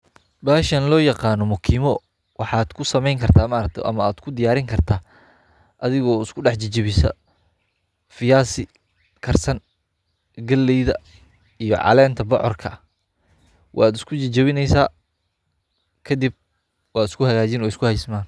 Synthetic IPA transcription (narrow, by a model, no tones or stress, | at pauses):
baːʃɐnlɔːjɑqɑːnɔmʊkʰiːmɔ | wɑħɑːd̪̥kʰʊsɐmɛjŋkʰɐrt̪ʰaːmaːɾɐk̚t̪ʰɛ̰ʔɐ̰mɐaːd̪̥kʰʊd̪ɪjaːɾɪŋkʰɐrt̪ʰaː | ʔɐðɪɣɔːɪskʰʊɖɑħt͡ʃɐt͡ʃɐβɪsɐ̰ | fɪjaːsɪ | kʰɐrsɐn | ɡɐlːɛjðɐ | ijɔ̰ʕɑ̰lɛːnt̪ʰɐbɑ̰ʕɔ̰rkʰɐ̰ | wʔɑ̰ːd̪ɪskʰʊt͡ʃɐt͡ʃɐβɪnɛjsaː | kʰɐd̪ɪb̚ | wɑːɪ̥skʰʊhɐɣaːt͡ʃɪnɔːɪskʰʊhɛjsmaːn